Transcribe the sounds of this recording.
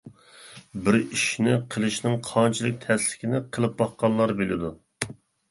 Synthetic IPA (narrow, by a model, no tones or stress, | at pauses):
bɪɾiʃnɪqʰəlˠɨʃnɪŋqʰɑnt͡ʃʰilˠɨk̚ʲt̪ʰɛslɪ̥kʲʰinɪqʰəlˠɨp̚bɑχqɑnlːˠɑɾbelɪd̪u